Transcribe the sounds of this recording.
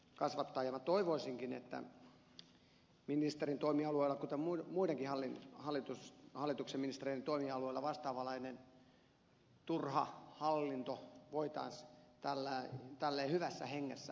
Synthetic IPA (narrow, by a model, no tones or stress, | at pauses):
kɑsʋɑt̪ːɑjɑmɑt̪oiʋoisiŋkinḛt̪ːæ̰ | minist̪erint̪oimiɑlueilːˑɑkut̪emmumuideŋkihɑlːinhɑlːˑit̪ushɑlːit̪ukseminist̪ereient̪oimiɑlueilːɑʋɑst̪ɑːʋɑlɑinen | t̪urhɑ̰hɑlːint̪oʋoit̪ɑ̰ist̪ælːæt̪ælːeːhyʋæsːæ̰heŋːæsːæ